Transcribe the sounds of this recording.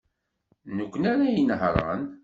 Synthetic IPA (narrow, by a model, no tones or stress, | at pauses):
nəkʷːnæɾajənɦɾˤə̰n